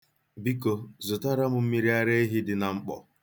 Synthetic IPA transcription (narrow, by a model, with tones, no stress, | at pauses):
bi˦ko˨zʊ˨ta˦ɾa˦m̩˦m̩˦mi˦ɾi˦a˦ɾe˦i˦ɦɪ˦dɪ˨na˨ŋ͡m̩˦k͡pɔ̰˨